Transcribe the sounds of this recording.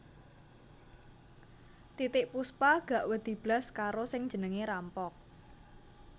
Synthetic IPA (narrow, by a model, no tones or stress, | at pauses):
t̪it̪ɪʔpuspaɡ̥a̤ʔwəd̪̥i̤b̥laskaɾosɪŋ̥d͡ʒʒ̥ə̤nəŋeɾampɔk̚